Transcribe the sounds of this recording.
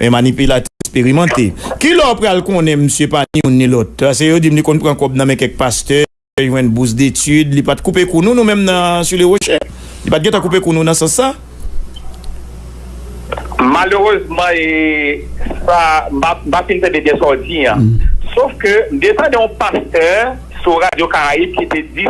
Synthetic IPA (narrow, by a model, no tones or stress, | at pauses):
ʔɛ̰̃manipylat̪ɛɛkspeʁimãt̪ekilɔpʁalkɔ̃nɛ̃məsjepanĩũnːĩlɔt̪̚pas̬ejod͡zim̩t̪ekɔ̃npʁãkɔb̚nãmɛ̃kɛ̃k̚past̪œ | ʒwɛ̃nbus̬d̪etyd̪lipat̪̚kupekunũnũmɛ̃mnɐ̃syleʁoʃe | lipat̪̚ɡɛ̃t̪ãkup̬ekunũnɐ̃sɐ̃sːa | maløʁøzmãe | sam̩bam̩pafint̪ɛ̃dedɛsɔtiãsofkøm̩d̪etɐ̃deɔ̃past̪ɛ | suʁad͡zjokaaib̚kit̪ed͡zi